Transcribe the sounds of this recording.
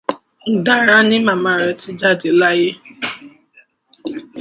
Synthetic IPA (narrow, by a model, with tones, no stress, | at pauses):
n̩˨da˦˨ɾa˦nɪ˦ma˨ma˨ɾe˨tɪ˦d͡ʒa˦dɪ˨la˦jɪ˦